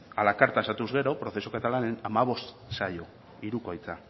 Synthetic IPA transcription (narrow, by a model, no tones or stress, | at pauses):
alakaɾt̪aesat̪uzɣe̞ɾo̞pɾo̞θesokat̪alane̞namaβ̞o̞st̪ | sajo̞ | iɾukojt͡sa